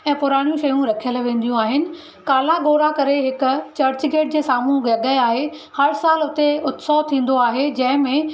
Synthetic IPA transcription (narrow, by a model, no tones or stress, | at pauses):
ɛ̃ːpʊɾaːɽ̃ijũʃɐjũɾɐkʰijəlʋẽːnd̪ijũaːɦɪnɪ̆ | kaːlaɡoːɾakɐɾeɦɪkʊ̆t͡ɕɐɾt͡ɕɡeːʈ̚d͡ʑeːsaːmuːɡɐɠəaːɦehɐɾsaːlʊt̪eʊt̪sɔːʋt̪ʰĩːn̆d̪oaːɦed͡ʑɐ̃ɦɪ̃mẽ